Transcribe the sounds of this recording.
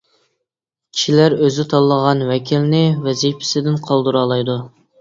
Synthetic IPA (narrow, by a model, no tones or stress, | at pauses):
kʲʰi̥ʃʰilæɾøzɪt̪ʰɑlˠːəʁɑnwɛkʲʰilnɪvɛzijpʰɪ̥sɪd̪ɪnqʰɑlˠd̪uɾɑːlˠɑjd̪u